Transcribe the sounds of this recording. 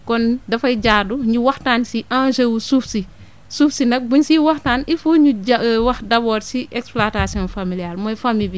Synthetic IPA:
kɔndɐfɐjɟaːduɲiwɐxtaːnsiʔãnsewusufsi | sufsinɐk̚buɲsiwɐxtaːnifuɲuwɐxdɐbɔːɾsiɛksplatasiɔnfamilijaɾmɔjfamibi

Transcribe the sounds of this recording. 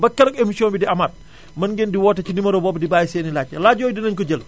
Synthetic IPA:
bɐkːɛnɐkemisiɔːnbidiɐmaːt̚ | mɐnɡɛndiwɔːtɐcinimɐɾobɔːbdibaːjisɛːnilac̚ːɐlaːɟɔːjdinɐɲkɔɟəl

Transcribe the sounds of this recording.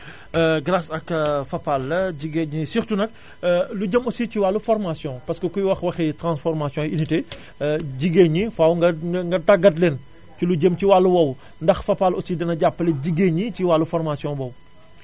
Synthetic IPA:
ɡɾasɐkfɐpːalːɐɟiɡeɲisixtunɐk̚ | luɟəmɔsiciwalːufɔɾmasjɔ̃pɐskəkujwɐxwɐxɛtɾãnsfɔɾmasjɔ̃inite | ɟiɡeɲifawɡɐŋɡɐtaɡːɐt̬lɛn | culuɟəmciwalːuwɐw | ndɐxfɐpːalɔsidɐnɐɟapːɐlɛɟiɡeɲiciwalːufɔɾmasjɔ̃bɔw

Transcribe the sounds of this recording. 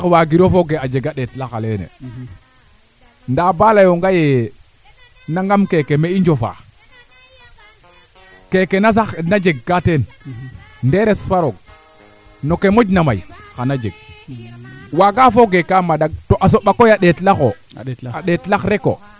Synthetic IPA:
waɡiɾofoɡead͡ʒeɡaɗetlaxalenḛ | ndabalajoŋɡaje | naŋɡamkekemeiɲd͡ʒofa̰ | kekenasanad͡ʒeɡ̚ːaten | ndeɾesfaɾoɡ̚ | nokemod͡ʒnamajxanad͡ʒḛɡ̚ | waɡafoɡekamadaɡ̚toʔas̬oɓakojaɗeːtlaxo | aɗetlaxɾeko̰

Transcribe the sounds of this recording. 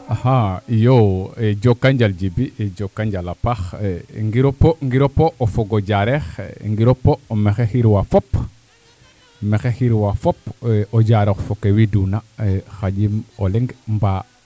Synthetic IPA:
ahajoeɟokːaɲɟalɟibieɟokːaɲɟalapaxŋɡiɾopoŋɡiɾopoʔofoɡoɟaɾexŋɡiɾopomexexiɾwafop | mexexiɾwafopoɟaɾoxfokewidunaxaɟimoleŋɡmba

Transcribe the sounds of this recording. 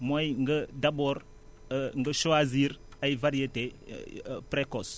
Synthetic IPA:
mojŋɡədabɔɾ | ŋɡəʃoaziɾajvaɾiete | pɾekɔs

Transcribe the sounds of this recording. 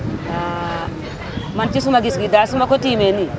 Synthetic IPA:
a | mantis̬umaɡisɡidasumakotimeni

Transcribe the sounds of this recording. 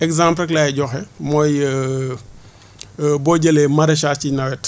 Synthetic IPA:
ɛkzãmpɾk̬lajɛɟɔxɛmɔj | bɔɟəlemɐɾɐʃaːscinɐwɛt

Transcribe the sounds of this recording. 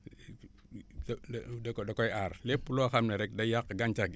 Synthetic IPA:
dkdakojaɾlepːuloxamneɾɛkdajakɡant͡ʃaɡ

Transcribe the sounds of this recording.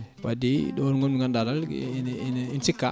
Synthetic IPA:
wadidoɾŋɡonuŋɡandadalnininsikːa

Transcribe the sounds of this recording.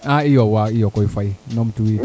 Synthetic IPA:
ãijɔwaijɔkɔifainɔ̃mtui

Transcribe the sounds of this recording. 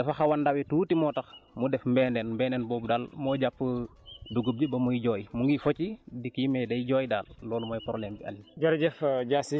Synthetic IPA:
dɐfɐxɐwɐndawɛtuːtimɔːtɐxmudɛfmbɛːnɛnmbɛːnɛːnbɔːbudaːlmɔːɟapːəduɡəb̚d͡ʒəbɐmujiɟɔːjmuŋɡifɔcidikimɛdɐjiɟɔːjdaːllɔːlumɐjpɾɔlɛːmbiɐ̰lind͡ʒɐɾɟɛfɟaːsi

